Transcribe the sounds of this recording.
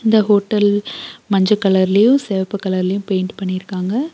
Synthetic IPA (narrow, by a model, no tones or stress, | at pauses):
ɪnd̪ɐɦoːʈːɐlmɐɲd͡ʒɐkːɐlɐɾɪlɐjʊ̃sɛʋɐpːɯkːɐlɐɾɪlɐjʊ̃mpeːɪɳɖpɐɳːɪjɪɾɯkːaːŋɡɐ